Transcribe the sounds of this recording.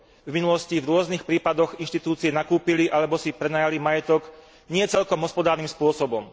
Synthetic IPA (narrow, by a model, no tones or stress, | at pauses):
vminulɔscivɾʊɔznixpɾiːpad̪ɔɣinʃt̪it̪uːt͡siɛnakuːpiliʔalɛbɔsipɾɛnaːjalimajɛt̪ɔɡ | ɲɪɛt͡sɛlkɔmɦɔspɔd̪aːɾnimspʊɔsɔbɔm